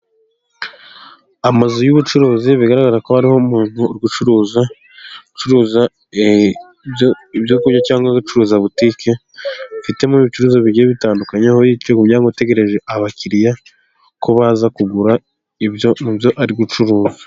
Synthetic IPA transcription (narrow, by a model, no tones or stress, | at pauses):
amazojuβut͡ʃuɾuːziβiɡaɾaɡaɾako̞haɾiho̞muːn̥huɾɡut͡ʃuɾuːza | ut͡ʃuɾuːza | joiβjokuɲacaːŋɡwaɡut͡ʃuɾuːzaβutike | fite̞muiβit͡ʃuɾuːzaβiɟieβitaːndukaɲehojiːt͡ʃeɡumɲaːŋɡote̞ɡe̞ɾe̞ʒe̞ʔaβaciɾija | kʰo̞βaːzakuɡuɾa | iβjomuβjo̞ʔaɾiɡut͡ʃuɾuːza